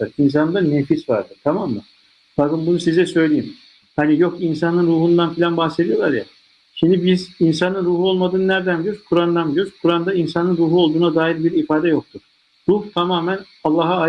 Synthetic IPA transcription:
ɯɾins̬annd̪anefisva̰ɾd̪ɯɾ̥t̪ʰamamːa | b̥akɯnbunusizɛsø̞jlʲejim | hanijo̞kinsanɯnɾuːɦund̪anfilʲanbaxse̞d̪ijo̞lˠaɾja̰ | ʃimd̪ibizins̬anɯnɾuːɦuo̞lˠmad̪ɯːnnæɾd̪ænɡøɾkʰuɾand̪anɡøɾkʰuɾand̪ainsanɯnɾuːɦuo̞lˠd̪uːnad̪aːjiɾbiɾifaːd̪ɛjo̞k̚t̪ʰuɾ̥ | ɾuht̪ʰamaːmæn | alˠːaɦaː

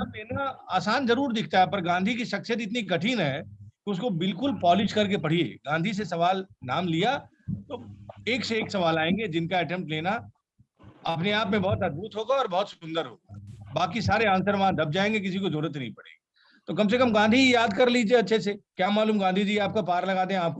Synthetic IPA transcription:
mleːnaaːsaːnzɐɾuːɾd̪ɪkʰt̪aɦɛpɐɾɡãːnd̪ʱikiʃɐkʃijət̪̬ɪt̪nikɐʈʰinɦɛkeʊskobɪlkʊlpɔːlɪʃkɐɾk̬epɐɽ̤iḛːɡãːnd̪ʱis̬esɐʋaːlnaːmlija | t̪oːeːkseːksɐʋaːlaːẽːŋɡed͡ʒɪnkaɐʈɛ̃ːmpʈleːna | ɐpneaːpmẽbɐɔɦʊt̪ɐd̪̚buːt̪ɦoːɡaɔːɾbɔɦːt̪sʊ̥sʊ̃nd̪əɾɦo̰ːɡabaːkisaːɾeãːnsəɾʋɐɦãd̪ɐb̚d͡ʒaːẽːŋɡek̬ɪsikozoːɾət̪nɐɦĩpɐɽ̤ḛːɡi | t̪oːkɐms̬ekɐmɡãːnd̪ʱikijaːd̪kɐɾliːd͡ʒieɐtːʃʰes̬ekjaːmaːluːmɡãːnd̪ʱid͡ʒiːaːp̚kapaːɾlɐɡaːd̪ẽɦɛ̃aːp̚ko

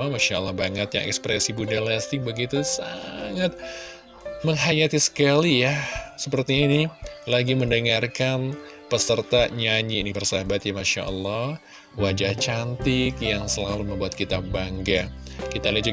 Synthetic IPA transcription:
amaʃaəlːɑhbaŋət̪̚ja̰ŋʔɛ̰kspɾɛsibudalast̪ɪk̚bəɡit̪usaŋat̪̚ | məŋɦajat̪isə̥kalijasəpərt̪iːnilaɡiməndəŋarkan | pəsərt̪aɲaɲinipərsabat̪jamaʃa̰ʔə̰lːɑh | wad͡ʒaht͡ʃant̪ɪkjaŋsəlaluməmbuat̪̚kit̪abaŋɡakit̪aləd͡ʒu

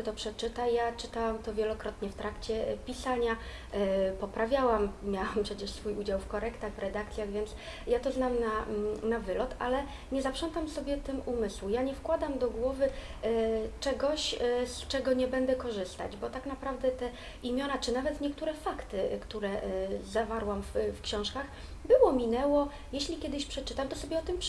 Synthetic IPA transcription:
t̪ɔpʂɛt͡ʂɘt̪ajat͡ʂɘt̪awamt̪ɔvʲjɛlɔkɾɔt̪ɲɛft̪ɾakt͡ɕɛpʲisaɲa | pɔpɾavʲjawamːʲjawampʂɛt͡ɕɛʂsfujud͡ʑawfkɔɾɛkt̪aɣvɾɛd̪ak̚t̪sʲjaɣvʲjɛnt̪s | jat̪ɔznamnanavɘlɔt̪ʰa̰lɛ | ɲɛzapʂɔnt̪amsɔbʲjɛt̪ɘmumɘswujaɲɛfkwad̪amd̪ɔɡwɔvɘ | t͡ʂɛɡɔɕst͡ʂɛɡɔɲɛbɛnd̪ɛkɔʐɘst̪a̰d͡ʑbɔt̪aknapɾavd̪ɛt̪ɛ | imʲjɔnat͡ʂɘnavɛt̪ɲɛkt̪uɾɛfakt̪ɘkt̪uɾɛzavaɾwamffkɕɔ̃w̃ʂkax | bɘwɔmʲinɛwɔ | jɛɕlʲikʲjɛd̪ɘɕpʂɛt͡ʂɘt̪amt̪ɔsɔbʲjɛɔt̪ɘmp

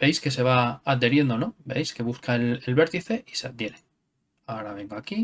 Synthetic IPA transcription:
b̥e̞jske̞se̞β̞aaðd̪eɾje̞nd̪ono̞be̞̰jske̞βuskaelelβe̞ɾt̪iθe̞isead̪je̞ɾe | aoɾaβe̞ŋɡoaki

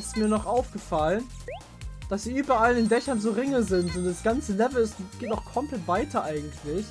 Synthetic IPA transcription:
tsmiːɐnɔχʔaʊfɡ̥əfalən | d̥asz̥iːʔyːbɐalɪndɛçɐnzoːʁɪŋəzɪntʊntd̥asɡ̥ant͡səlɛvl̩ɪstɡ̥eːtaʊxkʰɔmplɛtv̥aɪtʰɐʔaɪɡŋ̩tʰlɪç

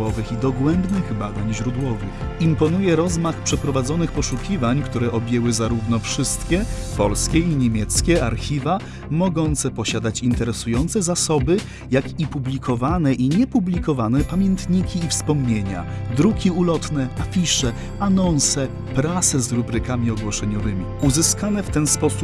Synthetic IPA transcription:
ɔvɘxid̪ɔɡwɛmbnɘɣbad̪aɲʑɾud̪wɔvɘ̰x | impɔnujɛɾɔzmaxpʂɛpɾɔvad̪zɔnɘxpɔʂukʲivaɲkt̪uɾɛʔɔbʲjɛwɘzaɾuvnɔfʂɘst̪kʲɛ | pɔ̰lskʲɛiɲemʲjɛt̪skʲɛaɾxʲiva | mɔɡɔnt̪sɛpɔɕad̪at͡ɕint̪ɛɾɛsujɔnt̪sɛzasɔbɘ | jakipublʲikʰɔvanɛʔiɲɛpublʲikɔvanɛpamʲjɛnt̪ɲikʲiːfspɔmɲeɲa̰ | d̪ɾukʲiulɔt̪nɛafʲiʂɛ | anɔnsɛ | pɾat̪sɛzɾubɾɘkamʲiɔɡwɔʂɛɲɔvɘmʲiuzɘskanɛft̪ɛnspɔsup

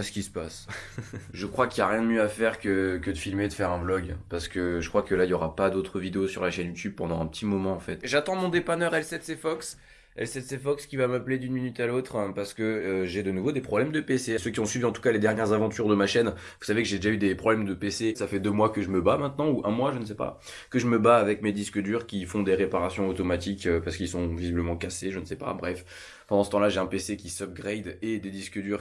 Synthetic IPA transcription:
asə̥kʲisə̥pas | ʒəkχwakʲiljaʁjɛ̃d̪əmjøafɛʁkəkəd̪əfilmed̪əfɛʁɛ̃blɔɡpaʁsə̥kəʒəkχwakəlailjɔʁapad̪ot̪χəvid̪eosy̰ʁlaʃɛnjut̪ʰyb̚pɑ̃d̪ɑ̃ɛ̃pət̪ʰimɔmɑ̃ːfɛt̪ʒat̪ɑ̃mɔ̃d̪epanœʁɛlsɛt̪sefɔks | ɛ̰lsɛt̪sefɔkskʲivamapled̪ynminyt̪alot̪χpaʁsə̥kəːʒed̪ənuvod̪epχɔblɛmd̪əpesesøkʲiɔ̃sɥiviɑ̃t̪u̥kaled̪ɛʁnjɛʁzavɑ̃t̪yʁd̪əmaʃɛn | vu̥savekəʒed̪eʒayd̪epχɔblɛmd̪əpesesafɛd̪ømwakəʒəməbamɛ̃t̪nɑ̃uʔɛ̃mwaʒəns̬ɛpa̰ | kəʒəməbaːvɛkmed̪iskəd̪yʁkʲifɔ̃d̪eʁepaʁasjɔ̃ot̪ɔmat̪ikøpaʁsə̥kilsɔ̃vizibləmɑ̃kaseʒənsɛpa̰bʁɛf | pɑ̃d̪ɑ̃sət̪ɑ̃laʒeɛ̃pesekʲisɔp̚ɡʁɛjd̪ed̪ed̪iskəd̪yʁ

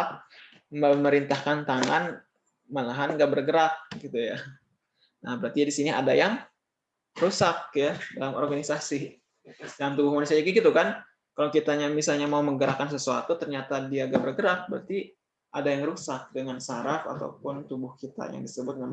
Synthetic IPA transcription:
p̚ | məməɾint̪ahkant̪aŋan | malaɦanɡaʔbərɡəɾak̚ɡit̪uja | nahbəɾart̪iadisinia̰dajaŋ | rusakjadalamɔ̰rɡanisasi | dalamt̪ubʊhmanusiaɲaɡiɡit̪ukan | kalawkit̪aɲamisalɲamauməŋɡəɾakans̬əsua̰t̪ut̪ərɲat̪adiaŋɡaʔbərɡəɾak̚bəɾa̰rt̪i | ʔadajaŋɾusak̚dəŋansaɾafa̰t̪a̰wpʊnt̪ubʊhkit̪a̰ja̰ŋdisəbʊt̪̚ŋa

